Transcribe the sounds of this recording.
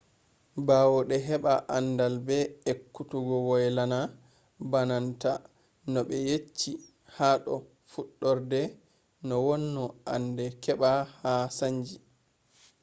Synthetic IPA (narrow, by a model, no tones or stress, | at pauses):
bawɔɗɛɦɛɓaʔandalbɛekːutuɡɔwɔjlana | bananta | nɔɓɛjet͡ʃːi | haɗɔ̰ | fuɗːɔɾdɛ | nɔwɔnːɔʔandɛkɛɓahasaɲd͡ʒi